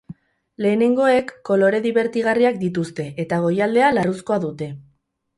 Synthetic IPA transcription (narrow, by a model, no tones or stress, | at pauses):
le̞ːne̞ŋɡo̞e̞kːo̞lo̞ɾe̞ðiβe̞ɾt̪iɣ̞ariak̚d̪it̪̬ust̪e̞ʔet̪aɣ̞o̞jald̪e̞alarusko̞aðut̪e̞